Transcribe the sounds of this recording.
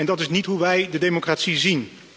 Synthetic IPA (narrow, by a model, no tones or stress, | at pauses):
ɛndɑtɪsnitɦuʋɛjdədemokraːtsizin